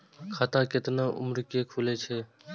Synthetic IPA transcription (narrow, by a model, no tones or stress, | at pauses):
kʰaːt̪ãkɪt̪naʔʊ̰mɾkekʰulet͡ʃʰeː